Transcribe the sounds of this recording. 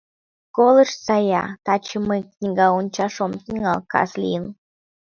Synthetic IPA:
kolˠəʃt͡sɑjɑ̰t̪ɑt͡ɕəmɨknʲiɡɑunʲt͡ɕɑʃomt̪iŋɑ̰lˠkɑ̰slʲḭn

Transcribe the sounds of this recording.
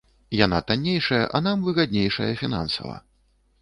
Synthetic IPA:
janat̪anʲːejʂɐjɐ̰ʔɐnamvɨɣad̪ʲnʲejʂɐ̰jɐfʲina̰nsɐ̰vɐ̰

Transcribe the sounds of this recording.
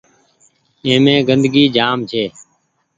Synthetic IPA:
ẽːmẽːɡənd̪ɡiːd͡ʒaːmt͡ʃʰeː

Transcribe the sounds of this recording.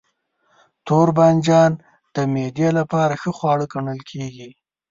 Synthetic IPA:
t̪oɾband͡ʒɑn | d̪̥əmed̪jelapɑɾaxəxwɑɽəɡaɳəlkʰeɡi

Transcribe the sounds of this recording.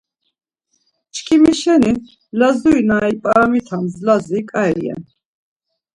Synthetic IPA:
t͡ʃkʰʼimiʃɛnin | lazuinaipʼaamit̪ʰamzlazikʼaɛliɛ̰n

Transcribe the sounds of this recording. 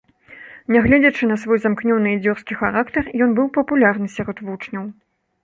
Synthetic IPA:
nʲɛɣlʲɛd͡zʲɐt͡ʂɨnɐsvɔjzamknʲɔnɨid͡zʲɔrskʲixaɾakt̪ɐrjɔnbɨwpɐpulʲarnɨsʲaɾɔt̪vut͡ʂnʲɐw

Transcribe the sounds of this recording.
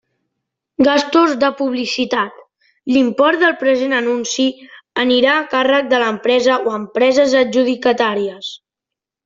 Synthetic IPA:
ɡast̪ozd̪əpuβlisit̪at̪ | limpɔɾd̪əlˠpɾəzenənunsiəniɾaːkarək̚d̪ələmpɾɛzəoəmpɾɛzəzəʒuð̞ikət̪aɾiəs

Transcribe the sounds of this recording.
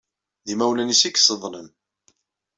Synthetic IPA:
ðimæwlænisikːsəðˤnəm

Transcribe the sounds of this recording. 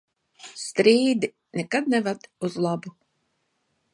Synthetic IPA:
st̪ɾiːd̪i | nɛkad̪̚nɛvad̪uzlˠabu

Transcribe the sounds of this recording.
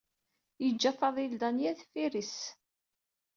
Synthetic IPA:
jəd͡ʒːæfɑðˤild̪anjæðfiɾis

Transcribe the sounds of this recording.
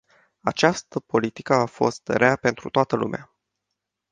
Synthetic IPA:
a̰t͡ʃast̪əpo̞lit̪ikəafo̞st̪ɾeape̞nt̪ɾṵt̪oat̪əlṵmḛa

